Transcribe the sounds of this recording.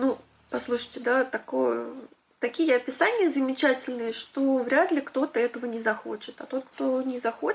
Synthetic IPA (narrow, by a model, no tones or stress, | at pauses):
nu | pɐslˠuʂɨ̥jtʲɪd̪at̪ɐkojə | t̪ɐkʲijəɐpʲɪsanʲɪjəzəmʲɪt͡ɕætʲɪlʲnɨjəʂt̪ovɾʲad̪lʲɪkt̪o̞t̪əɛt̪əvənʲɪzɐxo̞̰t͡ɕɪ̥t̪ɐ̰t̪o̞t̪̚kt̪o̞nʲɪzɐxoɪ